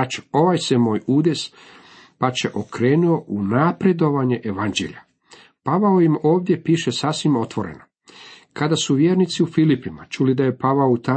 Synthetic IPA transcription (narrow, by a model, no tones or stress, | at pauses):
t͡ʃo̥o̞ʋaːjsemoːjuːd̪e̞s | pat͡ʃe̞ʔokɾe̞ːnuo̞ʔunapɾe̞d̪o̞ʋaɲe̞ʔeʋand͡ʑḛʎa | paʋaoimo̞ːʋd̪je̞piːʃesasʋimo̞t̪ʋo̞ɾe̞̰na | kad̪asuʋjeːɾnit̪siufilipima̰t͡ʃulid̪aje̞paʋaout̪a